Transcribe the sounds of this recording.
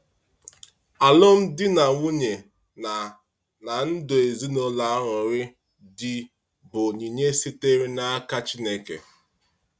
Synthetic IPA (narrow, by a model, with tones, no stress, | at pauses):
a˨lʊ˦m̩˦dɪ˦na˨ŋʷu˦ɲe˨ | na˨n̩˦dʊ˨e˨zi˦no˦la˨˦ɾʊ˨ɾɪ˦ | dɪ˦ | bʊ˨ɲi˨ɲe˦si˦te˦ɾi˦na˦a˦ka˦t͡ʃi˦ne˨kḛ˨